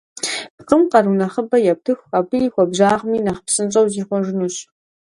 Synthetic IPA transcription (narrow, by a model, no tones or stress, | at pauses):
pqəmqɐrunɐχəbɐjɛp̚tʰɨxapɨixʷɔbʑaːʁmiːnɐχpsɨnt͡ʃʼɐwziːχʷɔʒɪnuɕ